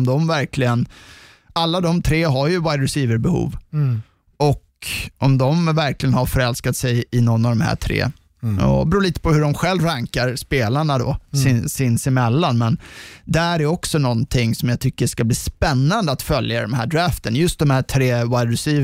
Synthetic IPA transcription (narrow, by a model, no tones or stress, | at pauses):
md̪ɔmvæɾkʰlɪɡən | alːad̪ɔmt̪ʰɾeːɦaɾjɵwaɪd̪ɾɛsiːvəɾbɛhṵːv | ɔk | ʔɔmd̪ɔmvæɾklɪɡənhaɾfœɾɛlskat̪sɛjɪnɔnːavd̪ɔmhæ̰ːʈʰɾḛː | ɔ̰bɾuːliːt̪ə̥pʰɔhɵɖɔmɧɛlvɾaŋkaɾspeːlaɳad̪ɔ̰sɪnsɪnsɪmɛlːanmɛnd̪ææɾɛjɔksɔnɔnt̪ʰɪŋːsɔmjaɡt̪ʰʏkːəʂkabliːspɛnːand̪əat̪fœlja̰d̪ɔmhæːɖɾæːft̪ənjɵst̪̚d̪ɔmhæːʈʰɾeːwajd̪ɾɛsiː